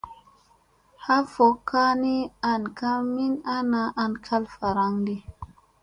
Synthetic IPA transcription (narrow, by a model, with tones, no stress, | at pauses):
ha˦fo˨kʰːa˦ni˦a˨nka˦mi˦na˦na˨ʔa˨nkʰa˦lfa˨ɾa˦ŋdi˦